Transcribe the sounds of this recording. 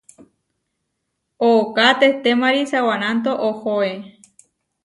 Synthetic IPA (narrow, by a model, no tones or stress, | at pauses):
ookat̪eht̪emaɾisawanãnt̪̬oʔohoe